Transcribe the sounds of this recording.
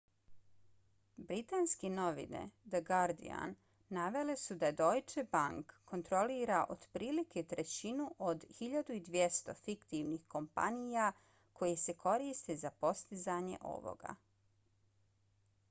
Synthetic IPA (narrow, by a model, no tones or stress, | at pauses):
bɾit̪aːnskeno̞ʋḭnḛd̪əɡaɾd̪ḭa̰nː | aʋe̞le̞sud̪ad̪o̞jt͡ʃebaŋkːo̞nt̪ɾo̞liːɾaʔo̞d̪̥pɾiːliket̪ɾe̞t͡ɕinuʔod̪xiʎad̪uid̪ʋje̞st̪o̞̰fikt̪iʋnixko̞mpa̰nija | kʰo̞jese̞ko̞ɾiːst̪ezapo̞st̪izaɲe̞̰ʔo̰ʋo̰ɡa̰